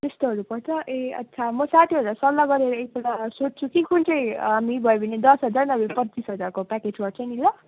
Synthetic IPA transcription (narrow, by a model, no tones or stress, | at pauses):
t̪est̪oɦʌɾupʌrt͡sʰʌʔeʌ̰tːsʰamʌsat̪ʰiɦʌɾlasʌlːaɡʌɾeɾʌek̚belasot͡st͡sʰukikunt͡sʰʌj̃amibʱʌebʱʌned̪ʌsɦʌd͡zarnʌbepʌtːt͡sisɦʌd͡zarkopaked͡zwʌr̚t͡sʌjnila